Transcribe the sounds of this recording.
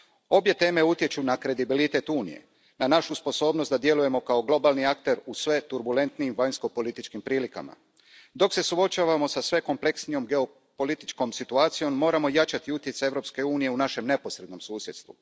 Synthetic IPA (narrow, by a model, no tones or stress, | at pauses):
o̞bje̞t̪e̞ːme̞ut̪je̞t͡ʃunakɾe̞d̪ibilit̪e̞t̪uːnḭje̞̰ | nanaʃuspo̞so̞ːbnost̪d̪ad̪je̞luje̞mo̞kao̞ɡlˠo̞balniak̚t̪e̞ɾusʋe̞t̪uɾbule̞nt̪niːmʋaɲsko̞po̞lit̪it͡ʃkimpɾiːlika̰ma̰ | d̪o̞kse̞suo̞t͡ʃaːʋamo̞sasʋe̞ko̞mple̞ksnijo̞mɡe̞o̞ | po̞lit̪i̥t͡ʃko̞msit̪uaːt̪sijo̞mːo̞ːɾamo̞jat͡ʃat̪iut̪je̞t̪sae̞ʋvɾo̞pske̞uːnije̞unaʃe̞mne̞po̞sɾe̞d̪no̞msuːsje̞d̪st̪ʋṵ